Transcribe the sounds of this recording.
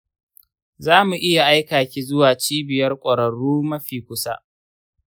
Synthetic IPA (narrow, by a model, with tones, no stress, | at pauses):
zaː˦mu˨ʔɪ˦ja˨ʔa˦jkaː˨kʲiː˦zʊ˦waː˨t͡ʃiː˦bɪ˨jɐ˦rkʷʼɐ˨ɾɐ˨ɽuː˦mɐ˦ɸiː˨kʷʊ˦sa˦ʔ